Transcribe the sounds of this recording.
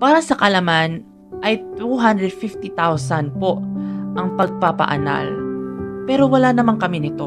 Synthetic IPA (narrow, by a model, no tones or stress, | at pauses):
paːɾɐsɐkɐlɐman | ʔɐjt̪uɦand̪ɾɛd̪̚fift̪it̪awsɐnpo̞ʔʔɐŋpɐɡ̚papɐ̰ʔɐ̰na̰l | pɛːɾo̞wɐlanɐmaŋkɐmɪnɪt̪o̞